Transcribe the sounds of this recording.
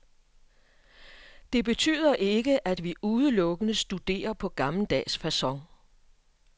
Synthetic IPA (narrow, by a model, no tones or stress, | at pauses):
d̥e̝b̥e̝t͡sʰy̰ːð̞ˠɐʔe̝ɡ̥əʔæd̥ʋiʔuð̞ˠəlɔ̽ɡ̥ənəsd̥ud̥e̝̰ːɐpʰɒ̽ɡ̥ɑ̈mləd̥ɛ̰ːsfæsɒ̽ŋ